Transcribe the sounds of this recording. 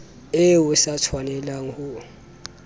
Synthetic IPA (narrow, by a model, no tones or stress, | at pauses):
ɛwɛsatʰwanɛlaŋ̩hu